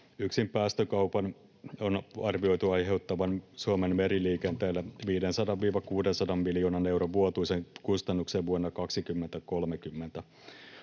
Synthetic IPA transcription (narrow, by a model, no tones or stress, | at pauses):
yksimpæːst̪økɑwpɑn | onɑrʋio̞jt̪uɑjɦewt̪ːɑʋɑnsuomenmeɾiliːkent̪eːlːæʋiːdensɑdɑʋːiːʋɑkuːdensɑdɑmːiljoːnɑne̞wɾoʋʋuot̪uiseŋkust̪ɑnːukseʋʋuonːɑkɑksikymːent̪æko̞lmekymːent̪æ